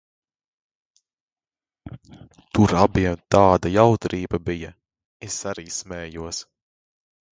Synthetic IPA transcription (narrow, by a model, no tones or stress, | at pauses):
t̪uɾabiɛmt̪aːd̪ajawt̪ɾiːbɐbijɐ | esaɾiːsmɛːjuɔs